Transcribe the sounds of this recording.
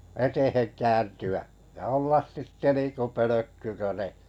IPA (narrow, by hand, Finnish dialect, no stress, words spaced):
etehen kæːntyæ jɑ olːɑs sitːe niːnkø pøløkːy kø ne